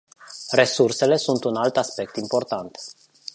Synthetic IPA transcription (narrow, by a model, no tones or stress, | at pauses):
re̞surse̞le̞sunt̪unalt̪aspe̞k̚t̪impo̞rt̪ant̪